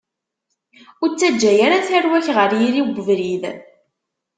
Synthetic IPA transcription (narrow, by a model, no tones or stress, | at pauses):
ʊɾt͡sːæd͡ʒːæjaɾaθæɾwæçʁəɾjiɾiɡʷəvɾið